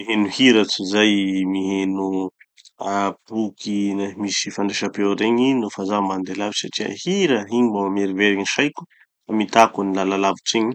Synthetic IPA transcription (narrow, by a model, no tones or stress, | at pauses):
miɦenuhiɾat͡sizajmiɦenu | apukʰimisifaɳɖ͡ʐeʃapewɾeɲinofazamand̪elavisaʈ͡ʂiə̰hiɾəɦiɲimbawameɾiveɾiɲiʃajku̥ | famit̪akunilalalavit͡siɲi̥